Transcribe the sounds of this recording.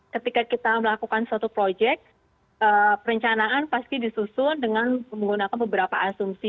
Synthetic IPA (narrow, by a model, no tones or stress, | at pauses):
kət̪ikakit̪aməlakukansat̪upɾod͡ʒɛk̚t̪̚ | əpəɾəɲt͡ʃanaʔanpast̪idisusʊndəŋanməŋɡunakanbəbəɾapaasumsi